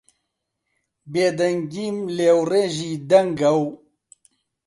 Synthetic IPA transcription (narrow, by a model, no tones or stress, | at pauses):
bed̪ɐŋɡimlewɾeʑid̪ɐŋɡaw